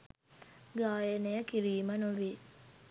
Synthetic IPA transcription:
ɡaːjənejəkiɾiːmənuʋi

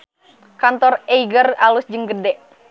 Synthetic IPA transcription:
kant̪ɔreiɡəralusd͡ʒəŋɡədɛʔ

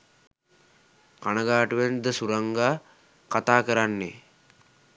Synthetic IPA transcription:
kanəɡaːʈuʋend̪əsuɾaŋɡaː | kat̪aːkəɾanːḛ

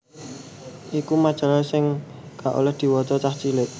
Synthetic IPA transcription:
ʔikumad̥ʒ̥a̤ɾasɪŋ | kaʔo̰lɛhd̪̥i̤wɔt̪ɔt͡ʃaht͡ʃilɪʔ

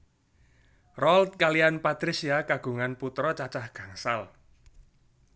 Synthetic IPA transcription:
rɔlt̪̚kalianpat̪ɾisiakaɡ̥ṳŋanput̪ɾɔt͡ʃat͡ʃahɡ̥a̤ŋsal

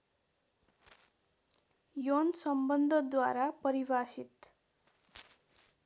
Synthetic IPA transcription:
jonsʌmbʌnd̪ʱʌd̪waɾapʌɾibasit̪

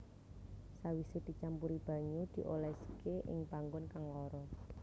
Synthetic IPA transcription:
sawised̪̥i̤t͡ʃampuɾib̥a̤ɲud̪̥i̤ʔolɛsə̥keʔɪ̰ŋb̥aŋɡʊnkaŋlɔɾɔ

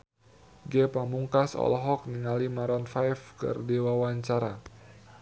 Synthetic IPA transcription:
ɡɛpamuŋkasɔ̰lɔɦɔk̚niŋalimaɾɔnfajfkɨ̰rdewawaɲt͡ʃaɾa

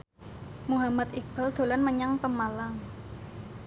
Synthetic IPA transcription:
muɦamat̪ik̚b̥əld̪̥o̤lanməɲaŋpəmalaŋ

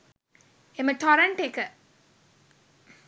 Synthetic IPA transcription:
eməʈʰɔɾəɳʈekə

